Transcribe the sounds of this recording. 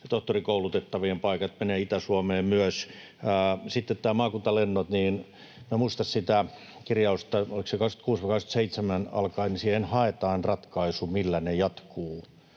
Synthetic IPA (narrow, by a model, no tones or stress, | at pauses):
t̪oht̪orikoulut̪et̪ːɑʋiempɑikɑt̪meneːit̪æsuɑmeːmmyøsː | sit̪ːet̪t̪æːmɑːkunt̪ɑlenːot̪niːn | miæmuist̪ɑssit̪æ | kirjɑust̪ɑoliksekɑksk̪y̥t̪kuːsʋɑikɑksky̥t̪seit̪semænɑ̰lkɑinisiːhenhɑet̪ɑːnrɑt̪kɑisumilːænejɑt̪kuː